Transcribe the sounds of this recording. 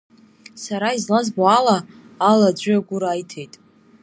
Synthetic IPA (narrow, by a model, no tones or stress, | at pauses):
saɾaizlazboalaː | lad͡ʒʷʏaɡʷʊɾaːjtʰe̞jtʼ